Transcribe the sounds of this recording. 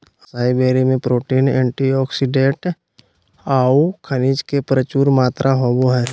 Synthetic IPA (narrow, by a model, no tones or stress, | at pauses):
əsaːibeːɾimẽpɾoːʈiːnẽːɳʈiɔːksiɖẽʈ | aːukʰənid͡ʒkepɾət͡ʃuːɾmaːt̪ɾʔaɦoːboɦɛɾ